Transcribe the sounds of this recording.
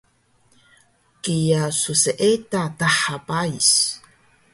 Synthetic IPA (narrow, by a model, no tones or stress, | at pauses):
kijasuseʔetataħapais